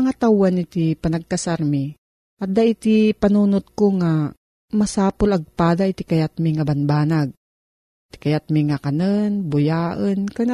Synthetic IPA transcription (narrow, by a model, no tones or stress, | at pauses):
ŋat̪awanɪt̪ipɐnɐɡ̚kasaɾmi | ʔɐt̪̚d̪aʔit̪ipɐnuːnot̪̚koŋa | mɐsaːpʊlɐɡ̚paːd̪aʔit̪ɪkajat̪̚mɪŋabɐnbaːnaɡ̚ | t̪ɪ̥kɐjat̪̚mɪŋakanənbʊjaːʔənkana